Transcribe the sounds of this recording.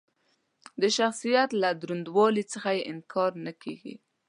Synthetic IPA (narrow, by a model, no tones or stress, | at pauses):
d̪əʃaxsijat̪lad̪ɾund̪wɑlit͡səxajeʔɪnkʰɑɾnakʰḛɡḭ